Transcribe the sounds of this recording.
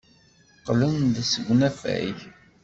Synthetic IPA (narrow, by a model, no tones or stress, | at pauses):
qlənðsəɡʷnæfæ̰j